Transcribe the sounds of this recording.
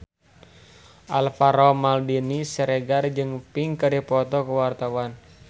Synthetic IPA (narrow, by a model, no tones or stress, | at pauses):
ʔalfaɾɔmaldinisɛɾɛɡard͡ʒɨŋpiŋkadipɔt̪ɔkəwart̪awan